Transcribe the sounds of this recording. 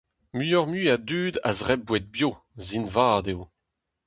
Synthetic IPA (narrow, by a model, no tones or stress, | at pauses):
myjɔʁmyadyːd̪a̰zʁɛb̚bwɛd̪̚bjo | zinvaːd̪ew